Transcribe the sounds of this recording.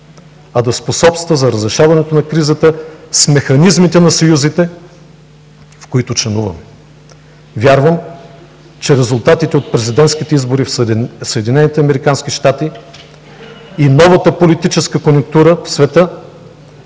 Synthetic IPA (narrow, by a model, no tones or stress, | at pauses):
ɐd̪ɐsposɔpst̪vəzɐɾɐzɾɛʃavɐnɛt̪onɐkɾizət̪əsmɛxɐnizmit̪ɛnɐsojuzit̪ɛ | fkoit̪ʊt͡ʃlɛnuvə̰m | vʲjaɾvəm | t͡ʃɛɾɛzulˠt̪at̪it̪ɛot̪̚pɾɛzid̪ɛnt̪sk̟it̪ɛizboɾifsəɛd̪inɛnit̪ɛɐmɛɾikanskiʃt̪at̪i | inɔvət̪əpolit̪it͡ʃɛskəkonʲʊk̚t̪uɾəfsvɛt̪ɤ